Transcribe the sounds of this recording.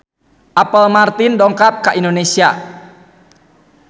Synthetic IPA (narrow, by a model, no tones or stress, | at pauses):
ʔapəlmart̪indɔŋkap̚kaʔindonesia